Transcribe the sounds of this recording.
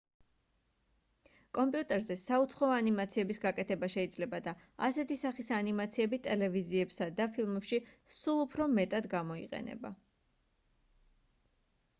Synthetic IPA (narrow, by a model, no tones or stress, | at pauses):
kʼɔmpʼijut̪ʼɛɾzɛsaut̪sʰχɔɔanimat̪sʰiɛbisɡakʼɛt̪ʰɛbaʃɛid̪zlɛbad̪a | asɛt̪ʰisaχisanimat̪sʰiɛbit̪ʼɛlɛviziɛbsad̪apʰilˠmɛpʃi | sulˠupʰɾɔmɛt̪ʼad̪ɡamɔḭqʼɛ̰nɛ̰ba̰